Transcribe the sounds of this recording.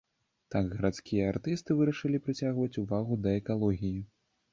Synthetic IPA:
t̪aɡɣɐɾat̪skʲijɐart̪ɨst̪ɨvɨɾɐʂɨlʲipɾɨt͡sʲaɣvɐt͡sʲuvaɣud̪ɐɛkalˠɔɣʲiji

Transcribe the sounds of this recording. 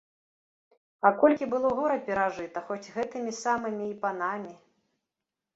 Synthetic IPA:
ɐkɔlʲkʲibɨlˠɔɣɔɾɐpʲɛɾaʐɨt̪ɐxɔd͡zʲɣɛt̪ɨmʲisamɨmʲiːpanamʲi

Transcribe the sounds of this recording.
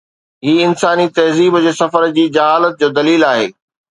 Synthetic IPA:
ɦiːɪnsaːnit̪ɐɦziːbd͡ʑeːsɐfəɾd͡ʑiːd͡ʑɐɦaːlət̪̚d͡ʑoːd̪ɐliːlaːɦḛː

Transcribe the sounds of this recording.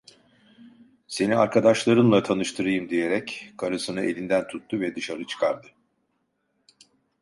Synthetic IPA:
se̞niaɾkʰad̪aʃlˠaɾɯnlˠat̪ʰanɯʃt̪ʰɯɾɯjɯmd̪ije̞ɾɛckʰaɾɯsɯnɯʔe̞̰lʲind̪ænt̪ʰut̪ːuvɛd̪ɯʃaɾɯt͡ʃʰɯ̥kʰaɾd̪ɯ

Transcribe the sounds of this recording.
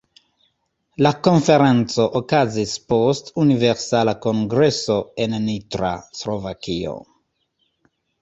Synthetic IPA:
lakonfeɾent͡soʔokazispostuniveɾsalakoŋɡɾesoennitɾa̰slovakio̰

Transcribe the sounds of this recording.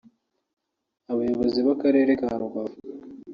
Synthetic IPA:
aβajoβoziβakaɾe̞ːɾekaɾuɡav

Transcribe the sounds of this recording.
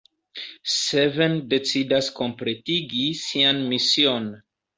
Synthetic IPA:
sevende̞t͡sidasko̞mpɾe̞tiɡisianmisio̞n

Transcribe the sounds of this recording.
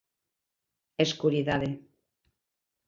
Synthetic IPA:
eskuɾiðaðe

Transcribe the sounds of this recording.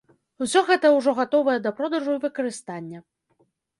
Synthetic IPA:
usʲɔɣɛt̪ɐuwʐɔɣat̪ɔvɐjɛd̪ɐpɾɔd̪ɐʐuivɨkɐɾɨst̪anʲːɐ

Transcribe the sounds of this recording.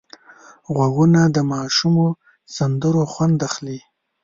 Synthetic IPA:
ɣwaɡunad̪əmɑːʃumo | sand̪əɾoxwand̪axli

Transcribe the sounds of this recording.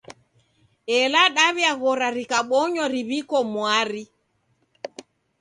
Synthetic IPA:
ɛlaɗaβjaɣɔɾaɾikaɓɔɲɔɾiβikɔmwaɾi

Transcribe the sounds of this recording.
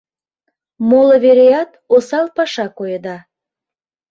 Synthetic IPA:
moləβeɾejɑt̪osɑlpɑʃɑkojəd̪ɑ

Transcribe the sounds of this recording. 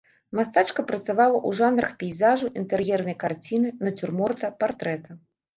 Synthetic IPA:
mast̪at͡ʂkɐpɾɐt̪savalˠɐʔuʐanɾɐxpʲɛjzaʐuʔint̪ɛɾjɛrnɐjkart͡sʲinɨnɐt͡sʲurmɔrt̪ɐpart̪ɾɛt̪ɐ

